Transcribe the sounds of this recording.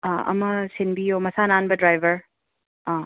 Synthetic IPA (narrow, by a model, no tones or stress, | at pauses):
ɐ̰mɐsɪnbioːmɐsaːnaːnbɐdɾajʋɐɾ